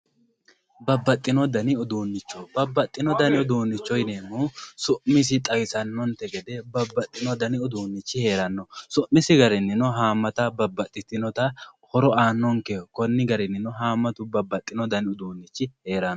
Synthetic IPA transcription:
bɐbːɐt̪ʼːɪnɔd̪ɐnɪɔd̪uːnːɪt͡ʃːɔbɐbːɐt̪ʼːɪnɔd̪ɐnɪɔd̪uːnːɪt͡ʃːɔjneːmusʊʔmɪs̬ɪt̪ʼɐjsɐnːɔnt̪ɛɡɛd̪ɛbɐbːɐt̪ʼːɪnɔd̪ɐnɪɔd̪uːnːɪt͡ʃːɪhe̞ːɾɐnːɔsʊʔmɪsɪɡɐɾɛnːɪnɔɦaːmːɐt̪ɐbɐbːɐt̪ʼːɪt̪ɪnɔt̪ɐhɔɾɔaːnːɔŋkɛkɔnːɪɡɐɾɛnːɪnɔɦaːmːɐt̪ʊbɐbːɐt̪ʼːɪnɔd̪ɐnɪɔd̪uːnːɪt͡ʃːɪhe̞ːɾɐnːɔ

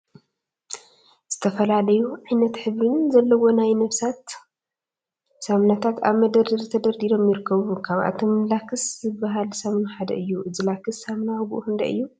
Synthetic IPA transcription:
z̥ɨt̪ʰɐfɐlalɐjuʕajnɐt̪ħɨβɾɨnzɐlːɐwo̞najnɐβsat̪ | samnat̪ʰat̪a̰βmɐd̪ɐd̪iɾt̪ʰɐd̪ɐɾd̪ilo̞mjɪɾɨkʰːɐβukʰaβʔa̰t̪ʰomlakʰɨszɨbːaɦalsamnħad̪ɐ̰ʔɨjːuʔɨzɨlakʰɨsːamnaɡuʔuhɨnd̪ɐɨ̰jːu

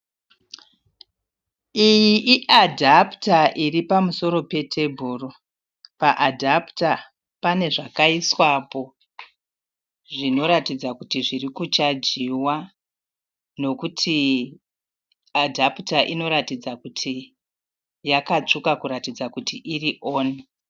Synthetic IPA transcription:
ijiʔːʔadʱaptaʔiripamuso̞ɾo̞pe̞tʰe̞bʱuːro | paʔadʱapta | pane̞ʐakaiswapo̞ | ʐino̞ɾatid͡zakutiʐirikut͡ʃad͡ʒiwa | no̞kutʰi | adʱaputaʔino̞ɾatid͡zakutʰi | jakat͡ʂukakuɾatid͡zakutiʔiriʔo̞ːne

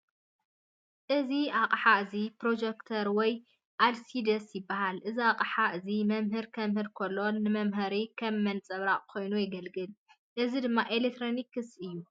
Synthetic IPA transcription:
ʔɨziaqʼħaʔɨzipɾo̞d͡ʒekt̪ʰɐɾwɔj | ʔalsid̪ɐsjɪbːaɦalʔɨziaqʼħaʔɨzimɐmɦɨɾkʰɐmhɨɾkʰɐlːonːɨmɐmɦɐɾikʰɐmːɐnt͡sʼɐβɾaχʼkʰo̞jnujɪɡɐlɡɨl | ʔɨzid̪ɨmːaʔelek̚t̪ʰɾonikːɨsɨjːu

